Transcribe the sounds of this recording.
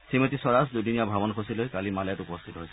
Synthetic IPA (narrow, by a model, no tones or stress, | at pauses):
simɔt̪isɔɹasd̪ujdinijabʱabɔnɔkʰosilojkalimalatupɔst̪ʰit̪ɔɦojsɛ